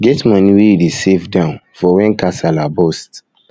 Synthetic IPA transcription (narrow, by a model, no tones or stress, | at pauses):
ɡɛtmɔniwiɹisivdãʊ̃nfɔwɛ̃nkasalabost